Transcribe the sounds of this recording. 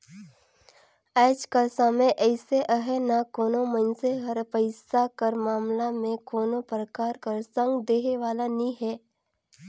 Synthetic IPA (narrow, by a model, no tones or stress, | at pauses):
ɛːd͡ʒkasaməʔɛːseʔəɦɛnakoːnomənseɦɐɾpəɪsakəɾmaːmlamẽkoːnopɾəkaːɾkəɾsə̃ŋɡd̪eːɦeʋaːlanĩɦɛː